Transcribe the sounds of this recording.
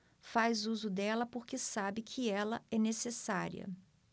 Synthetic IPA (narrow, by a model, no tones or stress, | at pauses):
fajzuzʊd̪ɛlɐpoɾkɪsabɪkʰɪɛlɐɛnesesaɾḭɐ̰